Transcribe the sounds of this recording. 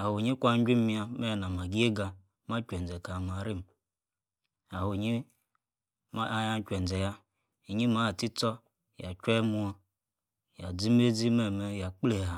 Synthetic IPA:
a˨hu˨ɲi˦kʷa˦d͡ʒʲʷi˦m˦mi˦a˦me˦˨na˨ma˨ɡi˦e˦ɡa˨ | ma˦kʲʷe˨n˨d͡ze˨ka˨ma˨ɾi˦m | a˨hu˨ɲi˦ | ja˦kʲʷe˨n˨d͡zɛ˨ja˦ | i˨ɲi˦ma˨˦˨ti˦t͡sɔ˦ | ja˨kʲʷe˦mu˦a˦ | ja˨d͡zi˦m˦e˦d͡zi˦me˦˨me˦ja˨k͡ple˨a˨

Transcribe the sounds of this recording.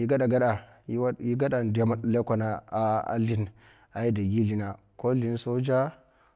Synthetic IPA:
i˨˦ɡa˦da˨ɡa˦ɗa˨˦ | ji˦ɡa˦ɗa˨da˨˦ma˨ɗla˦kʷa˨na˨a˨a̰˨li˨n | a˨i˦da˨ɡi˦li˨na˨ | ko˦li˨n˦so˦d͡ʒa˦

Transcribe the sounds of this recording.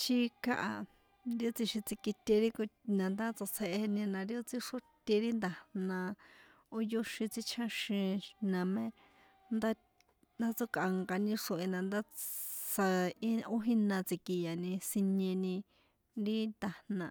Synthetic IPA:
ʃi˦ka˦ʔa˧ | ɾi˦o˦t͡si˧ʃĩ˧t͡si˧ki˧t̪ʲe˧ɾi˦knã˨nd̪a˦t͡sa˧t͡se˧ʔee˧e˧nĩ˧nã˧ɾi˦o˦t͡si˦ʂo˦t̪ʲe˧ɾi˦nd̪a˨nã˧ | o˦jo˦ʃĩ˧t͡si˧t͡ʃʰã˦ʃĩ˧nã˨˧mẽ˦ | nd̪a˦ | nd̪a˦t͡so˦ka˧ŋɡa˧nĩ˧ʂõ˧ʔe˧nã˨nd̪a˦sa˧i˦o˦ɦĩ˦nã˧t͡si˧ki˧ja˨nĩ˧si˧ɲẽ˧nĩ˧ | ɾi˦nd̪a˧hnã˧˨

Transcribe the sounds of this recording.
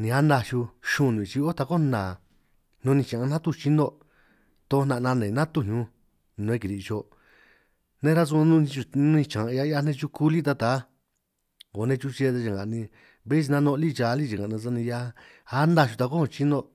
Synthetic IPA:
nĩ˧a˦nd̪a˧ʃu˧ʃũ˧nũ˨ĩ˨t͡ʃi˧o˦t̪a˧ko˦nãː˨ | nũ˧nĩ˧t͡ʃã˨ã˧n̥ã˦t̪u˦˧t͡ʃi˦nd̪o˦˧ | t̪o˧˦˧nã˧˨˧nã˧nẽ˨nã˦t̪u˦˧˨ɲũ˧ | nũ˧ẽ˧k̬i˧ɾi˧t͡ʃo˧ | nẽ˦ɾa˦s̬u˧ã˧nũ˧t͡ʃu˧ñ˧ĩ˧t͡ʃã˨ʔja˧˦a˧nẽ˦˧t͡ʃu˧ku˦li˦t̪̬a˧t̪a˨˦ | o˨nẽ˧t͡ʃu˦˧t͡ʃe˧t̪e˧t͡ʃa˨ŋɡa̰˨nĩ˧ | βe˦t͡ʃi˧nã˧nõ˧li˦˨t͡ʃa˧˦li˦t͡ʃi˨ŋɡa˨nã˧s̬a˧nĩ˧a˧ | a˦nd̪a˧ʃu˧t̪a˧ko˦hõ˧˨˧t͡ʃi˦nd̪o˧

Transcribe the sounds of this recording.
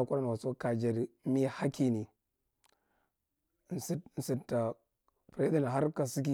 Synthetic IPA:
a˨kʷu˦ɾa˦na˨wa˨so˦ka˨d͡ʒa˨ɾi˨˦mi˦ha˦ki˨ni˨ | n˨si˦˨n̩˨si˨tːa˨ | pda˦˨ni˨ɦa˦ɾka˨si˦k̬i˨

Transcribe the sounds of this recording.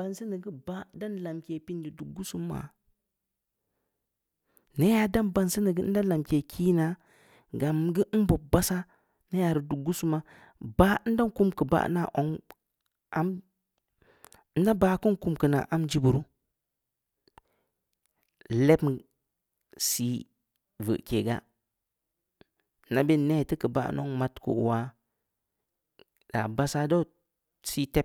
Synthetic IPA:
ba˨nsi˦ni˨ɡi˦ba˦da˦nla˨mkʲe˨pi˦n˦di˨du˨ɡu˦su˦mːa̰˨ | ne˦ja˨da˦nba˨nsi˦nə˨ɡə˦n̩˦da˦la˨mke˨kʰiː˦na˦ | ɡa˨mɡə˦bo˨ba˦sa˦ | ne˦ja˨ɾə˨du˨ɡu˦su˦ma˨ | ba˦n̩˦da˦ŋ˦ku˦mkə˨ba̰˦na̰˨ʔo˨ŋ | ʔa˦m | n̩˦na˦baː˨˦ku˦ŋ˦ku˦mkɨ˨na̰˨ʔa˦md͡ʒi˦bu˨ɾu˦ | lɛ˦b | si˦ | və̰˨ʔke˨ɡa̰˦˨ | na˨be˦ne˦˨ti˦kə˨ba̰˦ʔno̰˦ŋma˦tko̰˨wa˦ | la̰˨ba˦sa˦do˦ | si˦tɛ˦

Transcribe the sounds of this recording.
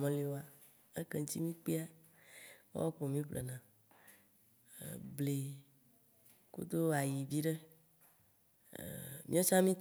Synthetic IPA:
mẽ˨le˨wo˨a˨ | e˦kɛ˦ŋ̩˦t̪ḭ˦mĩ˦k͡pe˦a˦ | wo̰˦wo˦k͡po˨mĩ˦plḛ˨nã˨ | ble˨ | kṵ˦d̪o˦a˨ji˨vi˦ɖe˦˨ | mĩ˦o˦t͡ʃã˦mĩ˦t̪

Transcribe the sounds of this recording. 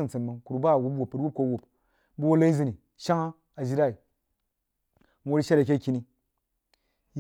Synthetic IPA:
i˦n˨t͡sɨ˨nmə˨ŋku˨ɾu˨ba˦˨wu˨˦pwu˨pːɨ˨ɾwu˦p̚ko˦wu˨p | bu˦wo˦la˦i˦zɨ˨ni˨ | ʃa˦ŋa˦ | a˨d͡ʒi˦ɾa˦i˨ | n˦wo˦ɾi˦ʃe˦ɾa˨k̬ʲe˦ki˦ni˦

